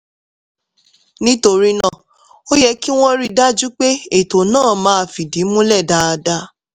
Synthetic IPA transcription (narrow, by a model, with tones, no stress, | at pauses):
nĩ˦to˧ɾi˦nã˦˨ | o˦jɛ˧ki˦w̃ɔ̃˦ɾi˧da˦d͡ʒu˦k͡pe˦e˦˨to˨nãː˦˨mãː˨˦a˨fi˨di˨˦mũ˦lɛ˦˨da˨˧a˧da˧